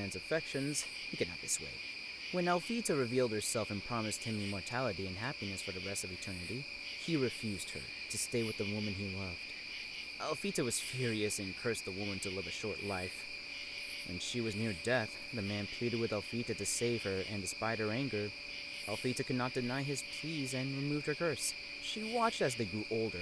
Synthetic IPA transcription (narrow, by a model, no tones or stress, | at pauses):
æ̃nzɨfɛkʃɨ̃nz̥ | hikʰɨdⁿnɨ̰t̪̚ð̥ɪ̰swḛɪ | wə̃nælˠfiɾɨɹɨvilˠd̚hə˞sɛlˠfɨ̃npʰɹ̥ɑmɨst̚hɨ̃mɨ̃mɔɹtʰælˠəɾiɨ̃nɦæpinɨsfə˞ðɨɹɛstʌvɨtʰɜ˞nɨɾi | iɹɨfjʉzd̥̚hə̰˞ | ɾɨsteɪwɨðəwʊ̃mɨ̃nilʌvd̥ | ʔælˠfiɾɨwʌz̥fjʊɹiɨsɨ̃nkʰɜ˞sðəwʊmɨ̃ntʰɨlɪvɨʃɔɹtˡlaɪf | ʔɨ̰̃nʃiwʌznɪɹdɛθ | ðɨmæ̃npʰl̥iɾɨd̚wɨðɛlˠfiɾɨɾɨseɪv̥ə˞ʔɨ̃ndɨspaɪɾ̚ə˞æ̃ŋɡə˞ | ɛlˠfiɾɨkɨdⁿnət̚d̥ɨnaɪɪz̥pʰizɨ̃nɹɨmuv̥ə˞kʰɜ˞s | ʃiwɑt͡ʃtɨzðeɪɡɹuʔoʊlˠdə˞